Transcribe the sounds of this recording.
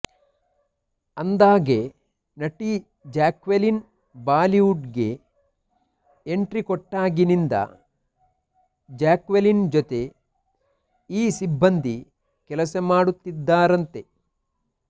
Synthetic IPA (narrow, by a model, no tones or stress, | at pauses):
ɐnd̪aːɡe | nɐʈːi | d͡ʒaːkʋelin | baːliuɖɡe̞̰ | ɳʈɾikɔʈːaːɡinind̪ɐ̰ | d͡ʒaːkʋelind͡ʒot̪e̞ | iːsibːɐnd̪ʱi | kɛlɐsɐmaːɽut̪ːid̪ːaːɾɐnt̪e̞